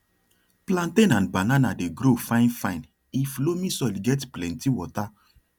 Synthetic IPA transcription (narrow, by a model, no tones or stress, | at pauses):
plãntẽnãnbananadeɡɾofãɪ̃nfãĩn | iflomĩsɔlɡɛtplɛ̃ntiwɔta